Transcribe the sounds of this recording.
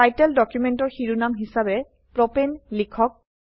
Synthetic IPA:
ajtɛldɔkjumɛntɔɹxiɹunamɦisabɛ | pɹɔpɛnlikʰɔk̚

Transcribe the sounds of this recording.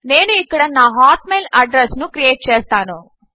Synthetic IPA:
neːnuɪkːɐɽɐnaːɦaːʈ̚meːlɐɖɾɐsnukɾijeːʈ̚t͡ʃeːst̪aːnoː

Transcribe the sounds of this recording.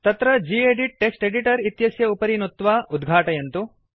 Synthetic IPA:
t̪ɐt̪ɾɐd͡ʒieɖiʈ̚ːeksʈeɖiʈɐɾit̪jɐsjɐupɐɾinut̪ːʋaːʔud̪ɡʱaːʈɐjɐnt̪u

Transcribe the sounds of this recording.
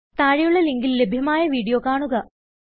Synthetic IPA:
t̪aːɻijuɭːɐliŋɡilːe̞bʱjɐmaːjɐʋiːɽijo̞ːkaːɳuɣɐ

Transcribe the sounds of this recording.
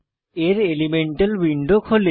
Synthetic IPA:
eɾelimeɳʈəlwiɳɖokʰhole

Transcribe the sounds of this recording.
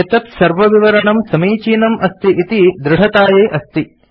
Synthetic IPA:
ɐt̪ɐt̪sɐɾʋɐʋiʋɐɾɐɳɐmsɐmiːt͡ʃiːnɐmʔɐst̪iʔit̪id̪ɾɪɦɐt̪aːjeːʔɐst̪i

